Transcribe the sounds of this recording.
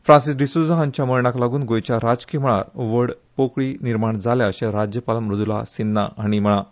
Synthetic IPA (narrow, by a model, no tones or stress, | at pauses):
fɾãnsisɖisud͡zaɦaɲt͡ɕjaməɾɳaklaɡuːnɡojt͡ɕjaɾad͡ʑkim̤əɭ̃aɾʋəɽpokɭiːniɾmaɳd͡zalaəɕẽɾad͡ʑjəpaləmɾud̪ʱula̰sinːaaɽ̃im̤əɽ̃a